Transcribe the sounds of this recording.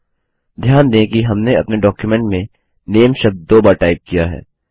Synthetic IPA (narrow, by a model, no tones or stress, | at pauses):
d̪ʱjaːnd̪ẽkiɦɐmneɐpneɖɔːkjumɛ̃ɳʈmẽ | neːmʃɐb̚d̪̚d̪oːbaːɾʈaːɪp̚kijaɦɛ̰ː